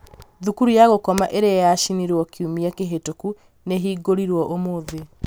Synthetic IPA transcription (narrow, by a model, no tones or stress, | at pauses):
ðukuɾujaɣokɔmaʔeɾejaʃiniɾwɔkiumiakeɦetoku | neɦiːɡoɾiɾwɔʔomoðe